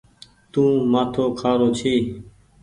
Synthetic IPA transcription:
t̪ũːmaːt̪ʰoːkʰaːɾoːt͡ʃʰiː

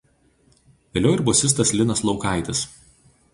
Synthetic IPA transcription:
ʋʲeːlʲɛʊɪɾbɔsʲɪs̬t̪ɐslʲɪnɐslˠɒʊkɑˑɪt̪ʲɪs

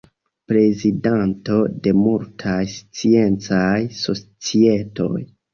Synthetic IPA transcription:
pɾe̞zidanto̞de̞multʰajst͡sie̞nt͡sajso̞t͡sie̞to̞̰j

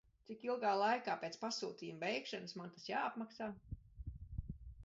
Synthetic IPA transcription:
t̪sikilˠɡaːlˠajkaːpeːt̪pasuːt̪iːjumbɛjkʃanɨsmant̪asjaːapmaksaː

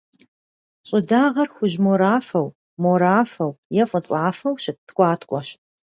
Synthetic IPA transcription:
ɕʼɪdaːʁɐrxʷʊʑmoɾaːfɐw | moɾaːfɐwjɛfʼət͡sʼaːfɐwɕɪp̚tʰkʷʼɑːtʰkʷʼɔɕ

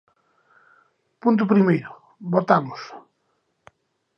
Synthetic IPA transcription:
punt̪̬ʊpɾimejɾʊ | bot̪amʊs

